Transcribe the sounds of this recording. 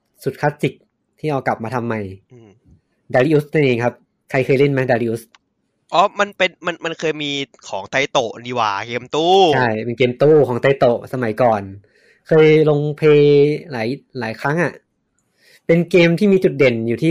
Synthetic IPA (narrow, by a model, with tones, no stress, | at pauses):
su˨˩t̪̚kʰaː˦˥si˨˩k̚ | t̪ʰiː˥˩ʔa˧wka˨˩p̚maː˧t̪ʰa˧mːa˧jʔɯː˧m | daː˧liː˦˥ʔuː˦˥sna˧nʔeː˧ŋkʰa˦˥p̚ | kʰa˧jkʰɤː˧jle˥˩nma˦˥daː˧liː˦˥ʔuː˦˥s | ʔɔː˦˥ma˧npe˧nma˧nma˧nkʰɤː˧jmiː˧kʰɔː˩˦ŋt̪a˧jt̪o˨˩ʔniː˨˧˩wa̰ː˨˩keː˧mt̪uː˥˩t͡ɕʰa˥˩jpe˧nkeː˧mt̪uː˥˩kʰɔː˩˦ŋt̪a˧jt̪o˨˩ʔsa˧ma˩˦jkɔː˨˩n | kʰɤː˧jlo˧ŋpʰeː˧laː˩˦jlaː˨˩˦jkʰɾa˦˥ŋʔa˨˩ʔ | pe˧nkeː˧mt̪ʰiː˥˩miː˧t͡ɕu˨˩t̪̚de˨˩njuː˨˩t̪ʰiː˥˩